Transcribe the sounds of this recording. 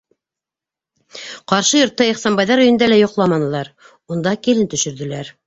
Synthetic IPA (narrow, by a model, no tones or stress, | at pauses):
qɑɾʃɤjŏɾt̪ːɑiχsɑnbɑjðɑɾɵjɵ̆nd̪ælæjŏqlˠɑmɑnɤ̆lˠɑɾ | und̪ɑkilɘnt̪ɵ̆ʃɵ̆ɾðɘ̆læɾ